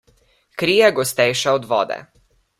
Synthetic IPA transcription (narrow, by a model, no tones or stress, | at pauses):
kɾiːjɛɡɔst̪ɛjʃaɔd̪ʋɔ̰ːd̪ɛ̰